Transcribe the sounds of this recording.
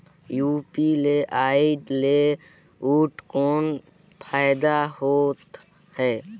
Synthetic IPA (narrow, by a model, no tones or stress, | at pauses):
juːpileʔaːiɖle | uːʈkoːn | pʰaːɪd̪aɦoːt̪ | hɛː